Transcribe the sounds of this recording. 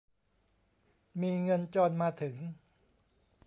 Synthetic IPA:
miː˧ŋɤ˧nt͡ɕɔː˧nmaː˧t̪ʰɯ˩˦ŋ

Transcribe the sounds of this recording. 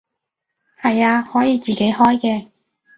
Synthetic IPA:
hɐ˨jaː˧hɔː˨˥jiː˨˧t͡siː˨ke˨˥jɦɔː˥jkɛː˧

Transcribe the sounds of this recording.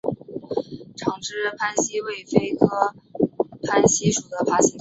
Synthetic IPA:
ʈ͡ʂʰɑ˨˩ŋʈ͡ʂɻ̩˥˩pʰa˥nɕi˥we˥˩ɪfe˥ɪkʰɤ˥ | pʰa˥nɕi˥ʂu˨˩d̪ə˦pʰa˥ɕi˧˥

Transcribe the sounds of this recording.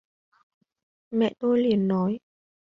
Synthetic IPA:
mɛ̰˧˨ʔt̪o˧jli˨˩ənːɔ˨˦j

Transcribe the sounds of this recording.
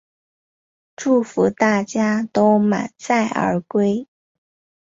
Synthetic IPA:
ʈ͡ʂu˥˩fu˧˥t̪a˥˩t͡ɕja˥t̪o˥ʊma̰˨˩nt͡sa˥˩ɪʔə̰˞˧˥kwe˥ɪ

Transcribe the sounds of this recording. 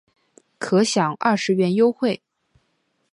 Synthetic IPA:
kʰɤ˧˥ɕjɑ˨˩˦ŋɐ̰˥˩ʂɻ̩˧˥ɥɛ˧˥njo˥ʊxwe˥˩ɪ

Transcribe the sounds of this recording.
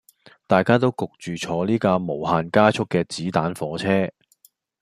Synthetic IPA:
t̪aː˨jkaː˥t̪̬o˥wkʊ˨k̚t͡ʃyː˨t͡ʃʰɔː˨˧liː˥kaː˧mo˨˩whaː˨nkaː˥t͡ʃʰʊ˥kːɛː˧t͡siː˨˥t̪aː˨˥nfɔː˨˧˥t͡sʰɛː˥

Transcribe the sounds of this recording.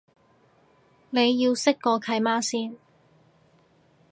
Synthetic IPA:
ne˨˧jːiː˧wsɪ˥kːɔː˧kʰɐ˨˧jmaː˥siː˥n

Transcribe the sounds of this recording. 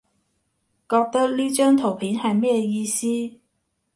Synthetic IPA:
kɔː˧k̚t̪ɐ˥k̚liː˥t͡ʃœː˥ŋt̪ʰo˨˩wpʰiː˨˥nhɐ˨jmɛ˥ɛ˧jiː˧siː˥

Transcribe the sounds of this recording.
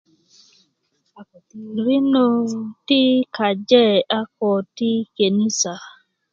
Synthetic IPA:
ɾi˦no˨ti˦ka˨d͡ʒɛ˦˨a˦kɔ˨ti˦ke˨ni˦sa˨

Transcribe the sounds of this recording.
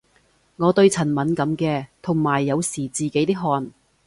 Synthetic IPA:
ŋɔː˨˧t̪ɵ˧ɥt͡sʰɐ˨˩nmɐ˨˥nkɐ˨˥mkɛː˧t̪ʰʊ˨˩ŋmaː˨˩jːɐ˨˧wsiː˨˩t͡siː˨ke˨˥jt̪iː˥ɦɔː˧n

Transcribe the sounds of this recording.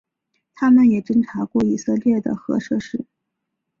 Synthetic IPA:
t̪ʰa˥mə˨njɛ˨˩ʈ͡ʂə˥nʈ͡ʂʰa˧˥kwɔ˥˩i˨˩sɤ˥˧ljɛ˥˩d̪ə̰˩xɤ˧˥ʂɤ˥˧ʂɻ̩˥˩

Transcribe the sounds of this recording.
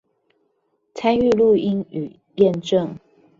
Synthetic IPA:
t͡sʰa˦ny˥˧lu˥˨i˦ny˨˩ | jɛ˥˧nʈ͡ʂə˥˨ŋ

